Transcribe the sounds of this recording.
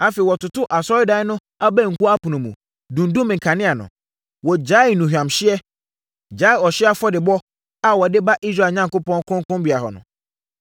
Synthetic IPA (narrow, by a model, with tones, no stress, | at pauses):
a˦fe˨wɔ˨tʊ˨tʊ˦ʔa˨sɔ˦ɪ˦da˨˦nʊ̃˦ | a˦bɛ̃˦˨ŋ̩˨kʰu˦a˦pʰu˨nũ˨mũ˨ | dũ˨n˦dũ˦mɪ̃˨ŋ̩kʰã˨nɪ̃˦a˨nʊ̰̃˨ | wɔ˨d͡ʑa˦ɪ˨nũ˨hᶣã˨mɕɪ˦ɛ˦ | d͡ʑa˦ɪ˨ɔ˨ɕɪ˦a˦fɔ˦dɪ˨bɔ˦ | a˨wɔ˨dɪ˦ba˦ʔi˦s̬ɾa˦˨ɲã˦ŋkʊ˦pɔ̃˦ŋkʰʊ̃˦ŋ˦kʊ̃˦mbi˨a˨ɦɔ̰˨nʊ̰̃˨